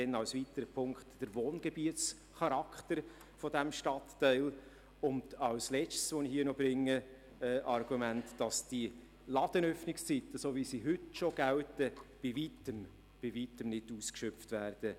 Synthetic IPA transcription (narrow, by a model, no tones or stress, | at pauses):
ɛnɑwsvit̪əɾəpʰʊŋkχtd̥əɾʋoːnɡ̥ebiət͡s | χɑɾɑkʰt̪əɾ | fɔdæmʃtɑtːɛɪl | ʊndɑwslɛt͡ʃtsʋonihɦiːnɔbɾɪŋːə | ɛʔɑrɡumæntd̥ɑsd̥i | lɑd̥ənœfnɪkst͡sit̪əsovisiɦʏtʃoɡ̥æwtəb̥ɪvitəm | b̥ɪvitəmnɪduːskʃœpftvæːɾd̥ə